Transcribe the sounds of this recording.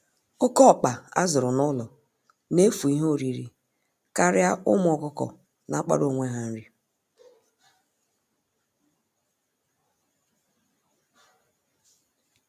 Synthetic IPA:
ʊ˦kɔ˦˨k͡pa˨a̰˦zʊ˨ɾʊ˨nɔ˦lɔ˨ | ne˦fu˨i˦ɦo˦˨ɾi˨ɾḭ˨ | ka˦ɾja˦ʊ˦m˦ɔ˨kʊ˦kɔ̰˨ | na˦k͡pa̰˦ɾo˨ŋʷe˦ɦa˨n̩˦ɾi˦

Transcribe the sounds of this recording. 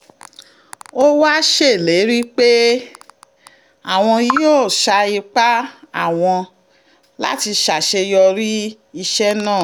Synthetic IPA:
o˦wa˦ʃe˦˨le˨˦ɾi˦k͡pe˦ | a˦˨w̃ɔ̃˧i˧˦joː˦˨ʃa˧i˧k͡pa˦a˦˨w̃ɔ̃˧ | la̰˦ti˧ʃa˨ʃe˧jɔ˧ɾi˦ | i˧ʃɛ˦nãː˦˨

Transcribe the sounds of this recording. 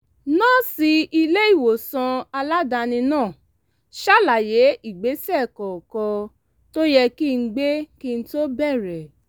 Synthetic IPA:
nãː˦˨si˧i˧le˦i˦˨wo˨sã˧a˧la˦da˧nĩ˧nãː˦˨ | ʃa˦˨la˨je˨˦ʔi˦˨ɡ͡be˨˦sɛ˦˨kɔ˨kɔ˧ | to˦jɛ˧ki˦˨ŋ̩˦ɡ͡be˦ki˦˧n̩˦to˦bɛ˦˨ɾɛ˨

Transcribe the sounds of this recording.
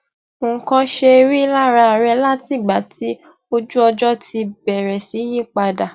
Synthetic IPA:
o˨kã˧ʃe˧ɾi˦˧˦la˦ɾa˧a˨ɾɛ˧la˦ti˦˨ɡ͡ba˨˦tʰi˨˦ | o˧d͡ʒu˦ɔ˧d͡ʒɔ˦ti˧bɛ˨ɾɛ˨si˨˦ji˦k͡pa˧da˨

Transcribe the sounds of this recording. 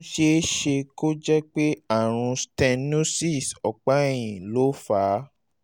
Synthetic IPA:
ʃe˧˦ʃe˧ko˦d͡ʒɛ˦k͡pe˦a˦˨ɾ̃ũ˧stɛ̃˧nũ˦si˦˨sɔ˨k͡pa˨˦e˦˨j̃ĩ˨lo˨˦fa˨˦

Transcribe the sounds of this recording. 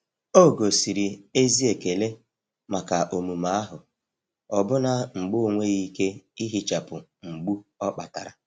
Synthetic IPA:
o˦˨ɡo˨si˨ɾi˨e˦zi˦e˨ke˨le˦ | ma˨ka˨ʔo˨mu˨ma˨˦a˦ɦʊ˨ | ɔ˨bʊ˦na˨ŋ͡m̩˨ɡ͡bʊ˦˨ŋʷe˦ɣi˦ke˦i˦ɦi˨t͡ʃa˨pʊ˨ŋ͡m̩˨ɡ͡bu˦ɔ˦k͡pa˨ta̰˨ɾa˨

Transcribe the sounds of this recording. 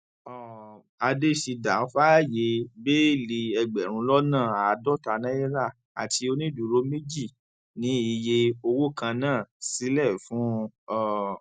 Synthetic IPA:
ɔ˨ | a˧de˦˨ʃi˧da˨˦fa˦˨je˧be˦li˧ɛ˧ɡ͡bɛ˨ɾ̃ũ˧lɔ˦nãː˦˨a˨˧dɔ˦˨ta˧nã˦i˦ɾa˦˨ | a̰˨ti˧o˧nĩ˦du˨ɾo˦me˦d͡ʒi˦˨ | nĩ˨˦i˧je˧o˧wo˦˨kã˧nãː˦˨si˦lɛ˦˨fũ˨˦ɔ˦˨

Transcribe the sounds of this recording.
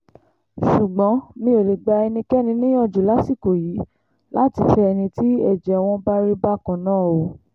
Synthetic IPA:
ʃu˨ɡ͡bɔ̃˨˦mĩ˧˦o˨le˨ɡ͡ba˧ɛ˧nĩ˧kɛ˦nĩ˧nĩ˦j̃ɔ̃˦˨d͡ʒu˨la˨˦si˦˨ko˨jiː˨˦ | la˦ti˧˦fɛ˧ɛ˧nĩ˧ti˦ɛ˦˨d͡ʒɛ˨w̃ɔ̃˧ba˦ɾi˦ba˦˨kã˨nãː˦˨o˨

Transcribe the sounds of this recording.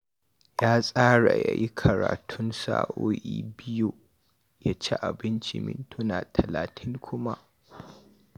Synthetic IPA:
jaː˦sʼaː˦ɽa˨ja̰˨ji˦kʰɐ˨ɾa̰ː˨tʰʊ˦nsa̰ː˦ʔoː˦ʔiː˦bɪ˦ju˦ | ja˦t͡ʃe˦ʔa˨bɪ˦nt͡ʃḭ˨mɪ̰˨ntʰʊ˦naː˨tʰɐ˨laː˨tʰɪ˦ŋkʷʰʊ˦ma˦ʔ

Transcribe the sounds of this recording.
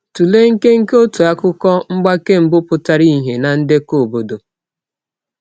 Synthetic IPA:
tu˨le˦ŋ̩˦ke˦ŋ̩˦ke˦o˦tu˨a˦kʊ˦kɔ˦ŋ͡m̩˦ɡ͡ba˦ke˦m̩˨bʊ˦pʊ˨ta˨ɾi˦ɦe˨na˨n̩˦de˦ko˨bo˨do˨

